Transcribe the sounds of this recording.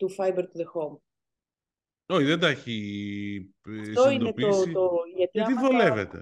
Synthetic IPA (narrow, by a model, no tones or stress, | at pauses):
t̪ufɐjbeɾt̪uðexom | oçiðend̪ɐeçi | ɐft̪oid̪onetiosoʝɐt̪iɐiolevet̪e